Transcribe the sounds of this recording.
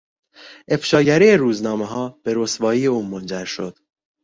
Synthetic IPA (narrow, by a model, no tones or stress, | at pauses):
ʔe̞fʃɒːɟæɾiːeɾuːznɒːme̞ɦɒːb̥e̞ɾosbɒːiːjeuːmond͡ʒæɾʃo̞̰d̪̥